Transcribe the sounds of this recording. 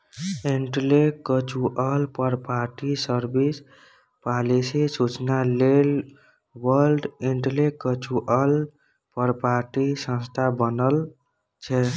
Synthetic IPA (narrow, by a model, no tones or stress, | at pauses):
eɳʈlekət͡ʃʰuʔəlpəɾpaɾʈisəɾbis | palisisut͡ʃnalel | wəɾɾɖiɳʈlekət͡ʃuʔəl | pəɾpaɾʈisə̃nst̪ʰabənəl | t͡ʃʰɛ